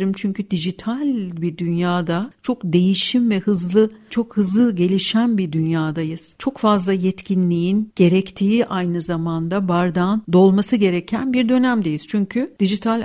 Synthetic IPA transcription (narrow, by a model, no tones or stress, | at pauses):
ɾɯmt͡ʃʰyɲcʰyd̪iʒit̪ʰalʲbiɾd̪ynjaːd̪at͡ʃʰo̞kd̪e̞jiʃimvɛhɯzlˠɯt͡ʃʰo̞khɯzlˠɯɟe̞lʲiʃænbiɾd̪ynjaːd̪ajɯz̥t͡ʃʰo̞kfazlˠajɛt̪cʰinlʲijinɟ̥e̞ɾɛct̪ʰiːʔajnɯzamand̪abaɾd̪and̪o̞lˠmasɯɟe̞ɾɛcʰænbiɾd̪ø̞næmd̪e̞jiz̥t͡ʃʰyɲcʰyd̪̥iʒit̪ʰalʲ